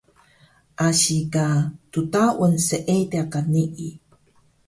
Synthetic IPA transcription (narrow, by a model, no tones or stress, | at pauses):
ʔaɕikatutaʔunsəʔetiakaniʔi